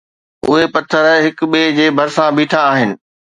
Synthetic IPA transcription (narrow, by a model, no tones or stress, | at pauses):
ʊ̰ɦepɐt̪ʰəɾɦɪk̆ɓeːd͡ʑeːbʱɐɾsãbʱiːʈʰaːɦɪnɪ̆